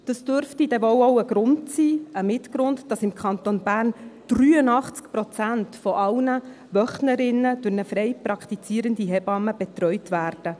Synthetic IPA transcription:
d̥əsd̥øɾftid̥ɛvowowəɡ̥ɾʊntsiːəmɪtɡɾʊndd̥ɑsɪmkʰχɑnt̪onb̥æːrnd̥ryːənɑχt͡skpɾɔt͡sæntfɔʔɑwnə | ʋœχnəɾɪnːəd̥ʊɾnəfɾɛjpɾɑkχt̪it͡siːəɾəndiɦɛbɑməb̥ɛt̪ɾœʏtʋæːrd̥ə

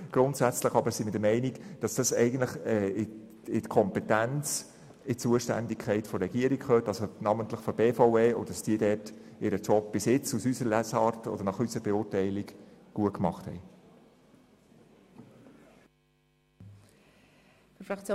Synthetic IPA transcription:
ɡ̥ɾʊntsæt͡sləχɑbəsimɪdəmɛɪnikd̥ɑsd̥ɑsɛɪɡən̩tləχɛɪ | ɪtkʰɔmpɛtænt͡s | ɪt͡suəʃtæ̰ndikʰɛɪtfɔɾɛɡ̥iəɾikχøːtɑlsonɑːmənt̪ləχfɔb̥eːfɔʊeːɔdə̥dɑsd̥iːədɛtʔɪɾət͡ʃɔp̚b̥ɪsɪt͡susysəɾəlæsɑːɾtɔ̰d̥̪əɾnɑχysəɾbɛʊːrtɛɪliɡɡ̥uətkmɑχthɛ̰ɪ | ffɾɑkt͡s

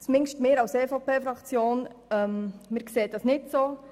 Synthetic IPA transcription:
t͡smɪŋʃtmɪːɾɑwseːfɑpeːfɾɑkt͡sjoːnœmmɪːɾkseːdɑsnɪtsoː

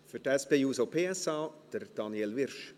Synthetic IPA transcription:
fytɛspeːjuːsopʰeːɛsɑːd̥əɾd̥ɑnjɛlʋɪɾʃ

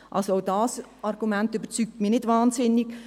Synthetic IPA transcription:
ʔɑ̰lsoaʊdɑːsɑrɡumæntybət͡syːk̚tmiːnɪdvɑːnsɪnːɪɡ̥

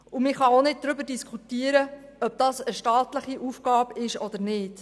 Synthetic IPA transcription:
umɪχɑonɪd̚d̥̪ɾʏbəɾdiskʰχutiːəɾəœb̚d̥ɑsəʃtɑːtləχiʔufɡ̥ɑːbɪʃɔd̥̪əɾnɪːt

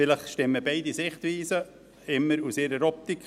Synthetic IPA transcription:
fɪləχʃtɪmːəbɛɪdisɪχt̪ʋiːsə | ɪmːəɾusɪɾəɾɔp̚t̪ik

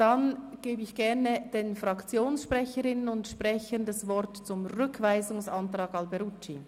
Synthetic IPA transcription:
d̥anɡ̥eːbəɪçɡ̥ɛɾnəd̥eːnfrɑkt͡sjoːnsʃpʁɛçəɾɪnənʊntʃpʁɛçəndɑsvɔɾtt͡sʊmʁʏkʰvaɪzʊŋsɑntʁɑːɡɑlbɛɾut͡ʃi

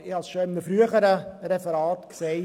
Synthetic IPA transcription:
ɪɑsʃoɪmːəfɾyəχəɾəɾɛfəɾɑːtkseː

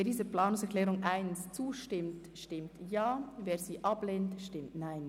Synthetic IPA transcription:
eɐdiːzəplaːnʊŋsɛʁklɛːʁʊŋʔaɪnst͡suːʃtɪmt | ʃtɪmtjaːveːziːʔableːntʃtɪmtnaɪn

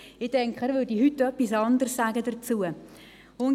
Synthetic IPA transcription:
ɪtɛŋkχəæːɾvʏːɾdihytːœpːisɑnd̪ərsːaːɡədəɾt͡suə | ʊn

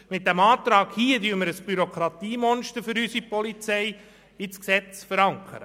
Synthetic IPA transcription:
mɪt̚d̥æmɑːt̪ɾɑːɡ̥hiːədyəməɾəsb̥yɾokʰɾɑt̪iːmɔnʃtəɾfʏɾysipɔlit͡sɛj | ɪsksɛt͡sfəɾɑŋkʰə̰ɾə̰

